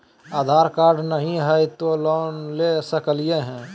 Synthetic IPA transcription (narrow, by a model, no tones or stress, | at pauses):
aːd̪ʱaːɾkaːɾɖnəɦĩɦəjt̪olɔːnlesəkəlijeɦɛ̃ː